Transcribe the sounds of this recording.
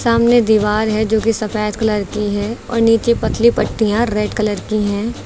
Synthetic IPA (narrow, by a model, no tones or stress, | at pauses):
saːmned̪iːʋaːɾɦɛd͡ʒoːkisɐfɛːt̪kɐləɾkiɦɛːɔ̰ːɾniːt͡ʃepɐt̪ʰlipɐʈːijãɾeːɖkɐləɾkiɦɛ̃ː